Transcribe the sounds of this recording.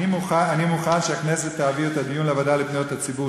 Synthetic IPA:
imuχaanimuχanʃeakneset̪ːaːviot̪ad̪ijunleavad̪alipnijot̪hat͡sibu

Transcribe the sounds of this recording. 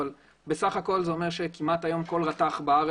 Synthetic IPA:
l | besaχako̞lzeo̞me̞ʁʃe̞kimat̪ajo̞mko̞lʁat̪aχbaaʁ

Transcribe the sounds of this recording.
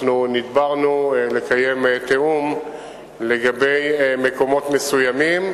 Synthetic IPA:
nunid̪baʁnule̞kaje̞mt̪eum | le̞ɡabe̞jme̞ko̞mo̞t̪me̞sujamim

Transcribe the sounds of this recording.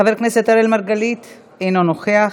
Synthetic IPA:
ave̞ɾkneset̪aɾelmaʁɡalit̪ | ejnonoχea

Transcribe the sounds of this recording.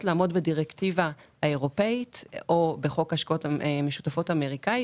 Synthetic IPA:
tlaːmo̞dbediʁektivahaeʁo̞pe̞itobeχo̞kaʃkaotmeʃu̥tafo̞tameʁikai

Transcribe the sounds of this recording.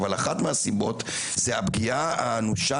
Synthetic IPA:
valaχatmeasibo̞t | zeabɡiaa̰nuʃa

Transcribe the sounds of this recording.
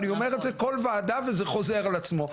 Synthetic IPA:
nio̞me̞ʁetzeko̞lvaːd̪avezeχo̞ze̞ʁalat͡smo̞

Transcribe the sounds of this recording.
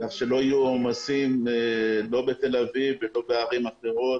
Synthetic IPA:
aχʃe̞lo̞ajuomasimelo̞be̞t̪e̞lavivːelo̞beaʁimaχeʁo̞t̪

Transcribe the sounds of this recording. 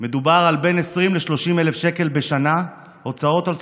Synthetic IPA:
me̞d̪ubaʁalbe̞nesʁimleʃlo̞ʃimele̞fʃe̞ke̞lbeʃana | o̞t͡sao̞tal

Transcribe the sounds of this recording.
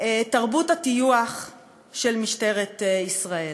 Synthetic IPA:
etaʁbuthatijuaχ | ʃelmiʃte̞ʁetisʁael

